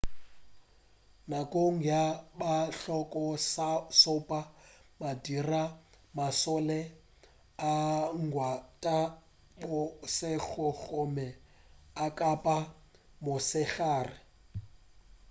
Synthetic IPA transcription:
nakʼoŋ̩jabaɬɔkʼɔsasɔpʼamadira | masɔlɛ | aŋ̩ɡwatʼa | bʊsɪk͡xʊɣɔmɛ | akʼapʼa | mʊsɪɣaːrɪ

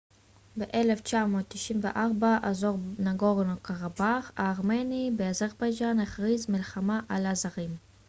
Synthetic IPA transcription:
beʔele̞ft͡ʃamo̞tːiʃimvḛʔaʁbaʔazoʁnaɡoʁnokaʁabaχa̰ːʁmenibeazaʁbajd͡ʒaneχʁizmilχamaʔalazaʁim

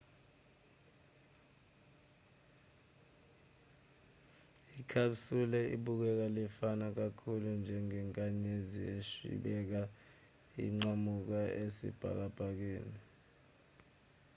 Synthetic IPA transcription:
ikʰaɓsulɛḭɓuk̬ɛk̬alifanak̬akʰulund͡ʒʱɛŋɛŋkʼaɲezieʃḭɓɛk̬a | ḭŋ͡ǀamuk̬aʔesḭb̥ʱa̰k̬ab̥ʱak̬weːni

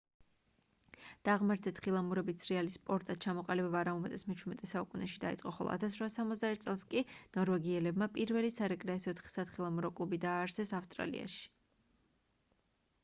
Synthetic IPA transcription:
d̪̥aʁmaɾt̪sʰɛt̪χilˠamuɾɛbit̪sʰɾialispʼɔɾt̪ʼat̪̚t͡ʃʰamɔqʼalibɛbaːɾamɔmɛt̪ʼɛsmɛt͡ʃʰuɾmɛt̪ʼɛsaukʼunɛʃid̪aḭt̪sʼqʼɔχɔ̰lˠɔ̰a̰t̪ʰas̬ɾvasːamɔt̪zd̪aɛt̪̚ʰsʼɛlˠskʼinɔɾvɛɡiɛlɛbmapʼiɾvɛlisaɾɛkʼɾɛɛsɔt̪ʰχi̥sat̪χilˠamuɾɔkʼlˠubid̪aːɾsɛsafst̪ʼɾa̰lḭa̰ʃi̥

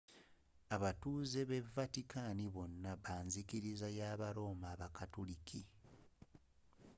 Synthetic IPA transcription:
aβatuːze̞βe̞vatikaːniβo̞nːaβaːnzikiɾizajaːβaɾo̞ːmaːβakatulikʰi

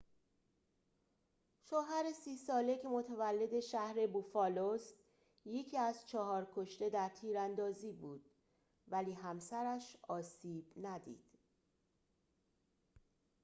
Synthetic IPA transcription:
ʃoːɦæɾesiːsɒːlecʰemot̪ʰævælːe̞d̪e̞ʃæhɾe̞bufɒːlost̪ | jecʰiːæzt͡ʃʰɒɦɒːɾkʰoʃt̪e̞d̪æɾt̪ʰiːɾænd̪ɒːziːbuːd̪̥̚ | væliːɦæmsæɾæʃɒːsiːb̥næd̪ḭːd̪̥

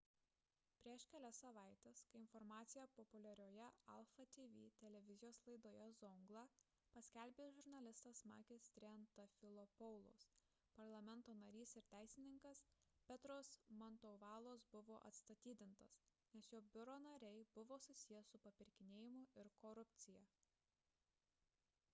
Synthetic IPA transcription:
pʲɾʲiɛʃkʲɛlʲɛsɐʋɐˑɪt̪ʲeskɐɪɪnfɔɾmɑːt̪sʲɪjɛpɔpʊlʲɛɾʲoːjɛɐlˠfɐt̪ʲiːʋʲiːt̪ʲɛlʲɛʋʲɪzʲɪjoːslˠɐɪd̪oːjɛzɔŋɡlˠɑ | pɐsʲkʲælʲbʲeːsʒʊɾnɐlʲɪst̪ɐsmɑ̰ːkʲɪsʲt̪ʲɾʲɛnt̪ɐfʲɪlˠopɔʊlˠo̰s | pɐɾlˠɐmʲɛnt̪oːnɐɾʲiːsɪɾt̪ʲæˑɪsʲɪnʲɪŋkɐspʲɛt̪ɾoːsmɐnt̪oːʋɑːlˠoːsbʊʋoːʔɐ̰t̪st̪ɐt̪ʲiːd̪ʲɪnt̪ɐsnʲɛsjoːbʲʊɾoːnɐɾʲɛɪbʊʋoːsʊsʲɪjɛsʊpɐpʲɪɾʲkʲɪnʲeːjɪmʊɪɾkoːɾʊpʲt̪sʲɪjɛ

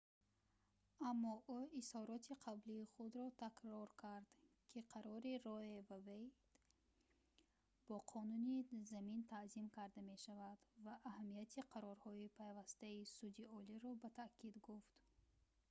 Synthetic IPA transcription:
amːɔʔuishɔɾɔt̪ʰiqʰabliːχud̪ɾɔt̪ʰakɾɔɾkʰaɾd̪ | kʰiqʰaɾɔɾiɾɔevabej | b̥ɔqʰɔnunizamint̪ʰazimkʰaɾd̪ame̞ʃavad̪vaʔːhamːijat̪ʰiqʰaɾɔɾhɔipʰajvast̪aisud͡ʒ̪iɔliɾɔbat̪ʰakʰid̪ɡuft̪

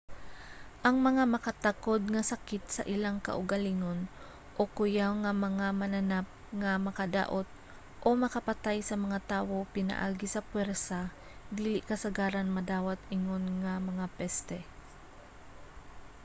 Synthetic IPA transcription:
ʔɐŋmɐŋamɐkɐt̪akod̪̚ŋɐsɐkɪt̪̚sɐ̰ʔɪlaŋkɐ̰ʔʊɡɐliŋon | ʔokʊjawŋɐmɐŋamɐnɐnap̚ŋɐmɐkɐd̪a̰ːʔot̪̚ | ʔo̞mɐkɐpɐt̪ajsɐmɐŋat̪aːwo̞pɪna̰ʔaːɡɪsɐpwɛɾsa | d̪iːlɪʔkɐsɐɡaːɾɐnmɐd̪aːwat̪̚ʔɪŋonŋɐmɐŋapɛst̪ɛ

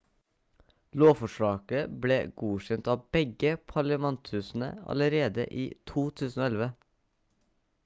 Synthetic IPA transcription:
loːfɔʃɭɑːkəbleːɡuːçɛnt̪ɑːbɛɡəpʰɑɭəmɛnt̪ʰʉsn̩ə̰ɑ̰ləɾeːd̪ə̰ʔiːt̪ʰuːt̪ʰʉːsn̩oːɛlʋə

